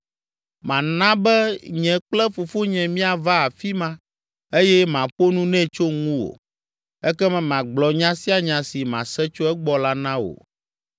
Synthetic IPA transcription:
mã˨nã˦bɛ˦ɲɛ̃˨k͡plɛ˦fu˨fo˦ɲɛ̃˨mĩ˦a˨va˦a˨fi˦mã˦ | e˦jɛ˦mã˨ɸo˦nũ˦nɛ̃˦t͡ʃo˦ŋũ˦wo̰˨ | ɛ˦kɛ˦mɛ̃˨mã˨ɡ͡blɔ˨ɲã˦si˦a˨ɲã˨si˨mã̰˨sɛ˦t͡ʃo˦ɛ˦ɡ͡bɔ˨la˦nã˦wo̰˨

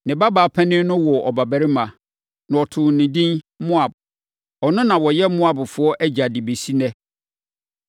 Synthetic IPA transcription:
nɪ̃˨ba˦baː˨˦pʰɛ̃˦nɪ̃˦nʊ̃˦wɔ˨ɔ˨ba˨bæ˨ɾɪ˦mã˨ | nã˨ɔ˨tʰʊ̃˨nɪ̃˨dĩ˦n | mʊ̃˦a˨b̚ | ɔ˨nʊ̃˦nã˨wɔ˨jɛ˦mʊ̃˦a˨bʊ˨fʊ˨ɔ˦ʔæ˦d͡ʑa˨di˨be˨si˦nɛ̃˦

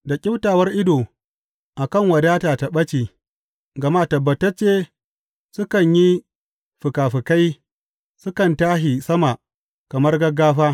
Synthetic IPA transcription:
da˨kʲʼɪ˦wtaː˨wɐ˦rʔɪ˦doː˨ | ʔa˨kɐ˦˨ŋwɐ˨daː˦taː˨ta˨ɓɐ˦t͡ʃiː˨ | ɡɐ˨maː˦tɐ˨bːɐ˨tːɐ˦t͡ʃeː˦ | sʊ˦kɐ˨ɲji˦ | ɸʊ˨kaː˨ɸɪ˨ka˦j | sʊ˦kɐ˨ntaː˦ɦi˨sɐ˦ma˨ | kɐ˨mɐ˦rɡɐ˦ɡaː˦ɸaː˦

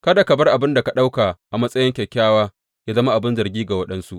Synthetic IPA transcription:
kɐ˦da˨kɐ˨bɐ˦rʔa˨bɪ˦nda˨ka˨ɗa˦wka˨ʔa˨mɐ˦sʼɐ˦jɪ˦ŋkʲɛ˨kʲːaː˦waː˦ | jaː˦zɐ˦ma˦ʔa˨bɪ˦nzɐ˨rɡʲiː˦ɡa˨wɐ˦ɗɐ˦nsu˦ʔ

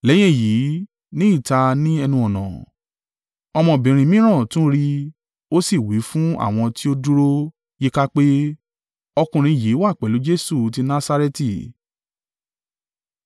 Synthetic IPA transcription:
lɛ˨˦j̃ɛ̃˦˨ji˨˦ | nĩ˦i˦˨ta˧nĩ˦ɛ˧nũ˧ɔ˨nã̰˨ | ɔ˧mɔ̃˧˨bĩ˨ɾ̃ĩ˧mĩ˦ɾ̃ã˦˨tũ˦ɾi˧ | o˦si˦˨wi˨˦fũ˦a̰˦˨w̃ɔ̃˧ti˦o˦du˦ɾo˦ | je˦ka˦k͡pe˦ | ɔ˧kũ˧ɾ̃ĩ˧˨ji˨˦wa˦˨k͡pɛ˨lu˨˦d͡ʒe˦su˦˨t̬i˧nã˦sa˧ɾɛ˦ti˨

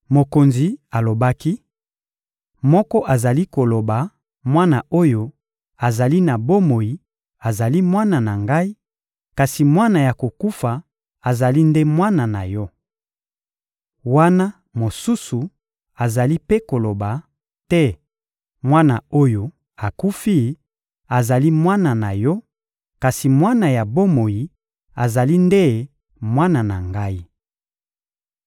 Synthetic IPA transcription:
mo˨ko˨nzi˨a˨lo˨ba˦ki˦ | mɔ˦kɔ˦ʔa˨za˨li˦ko˨lo˨ba˨ | mwa˦na˨ʔo˦jo˦ | a˨za˨li˦na˨bo˦mo˨ji˨ | a˨za˨li˦mwa˦na˨na˨ŋɡa˦i˦ | ka˨si˨mwa˦na˨ja˨ko˨ku˦fa˨ | a˨za˨li˦nde˦mwa˦na˨na˨jɔ˦ | wa˦na˦ | mo˨su˦su˨ | a˨za˨li˦pe˦ko˨lo˨ba˨ | tɛ˦ | mwa˦na˨o˦jo˦ | a˨ku˦fi˦ | a˨za˨li˦mwa˦na˨na˨jɔ˦ | ka˨si˨mwa˦na˨ja˨bo˦mo˨ji˨ | a˨za˨li˦nde˦ | mwa˦na˨na˨ŋɡa˦i˦

